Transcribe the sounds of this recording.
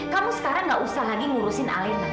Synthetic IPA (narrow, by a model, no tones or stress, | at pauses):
kamusə̥kaɾaŋɡaʔusaɦadiŋuɾusɪnʔa̰j